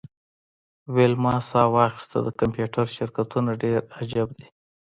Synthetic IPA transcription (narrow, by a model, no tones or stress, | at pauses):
welmɑsɑwɑxɪ̥st̪a̰d̪əkampjuʈʰaɾʃɪɾkat̪unaɖeɾad͡ʒab̚d̪i